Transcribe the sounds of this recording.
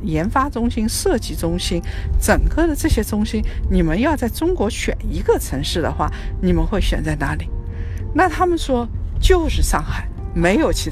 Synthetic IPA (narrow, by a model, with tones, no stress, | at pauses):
jɛ˧˥nfa˥ʈ͡ʂʊ˥ŋɕi˥nʂɤ˥˩t͡ɕi˥˩ʈ͡ʂʊ˥ŋɕi˥nʈ͡ʂə˨˩ŋkɤ˥˩d̪ə˨˩ʈ͡ʂɤ˥˩ɕjɛ˥ʈ͡ʂʊ˥ŋɕi˥nni˨˩mə˦njɑ˥˧t͡sa˥˩ɪʈ͡ʂʊ˥ŋkwɔ˧˥ɕʰɥɛ̰˨˩ni˧˥ɡə˥˧t͡sʰɤ˧˥ŋʂɻ̩˥˩d̪ə̰˩xwa̰˥˩ni˨˩mə˦nxwe˥˩ɪɕɥɛ̰˨˩nt͡sa˥˩ɪna˧˥li˨˩˦ | na˥˩t̪ʰa˥mə˨nʂwɔ˥t͡ɕjo˥˧ʊʂɻ̩˥˧ʂɑ˥˩ŋxa˨˩˦ɪme˧˥ɪjo˨˩ʊt͡ɕʰi˧˥